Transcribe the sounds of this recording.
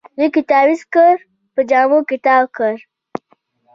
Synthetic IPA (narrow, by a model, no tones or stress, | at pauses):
wikɪt̪aːbiskəɾ | pəd͡ʒaːmokɪt̪aːbkəɾ